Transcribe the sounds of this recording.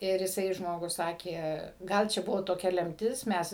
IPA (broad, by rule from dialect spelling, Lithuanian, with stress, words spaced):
ˈɪr ɪˈsɐɪ ˈʒmoːɡʊs ˈsɑːkʲeː ˈɡɐlˠ t͡ʃʲɛ ˈbʊʋoː toːˈkʲɛ ˈlʲɛmʲtʲɪs ˈmʲɛs